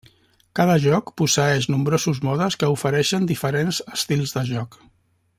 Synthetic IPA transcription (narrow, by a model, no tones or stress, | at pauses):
kað̞əʒɔkpusəɛʃnumbɾozuzmɔðəskəufəɾɛʃənd̪ifəɾenzəst̪ilˠzðəʒɔk